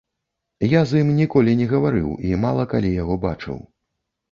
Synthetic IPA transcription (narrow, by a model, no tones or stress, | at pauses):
jazɨmnʲikɔlʲinʲɛɣɐvaɾɨ̰wimalˠɐkalʲijaɣɔbat͡ʂɨ̰w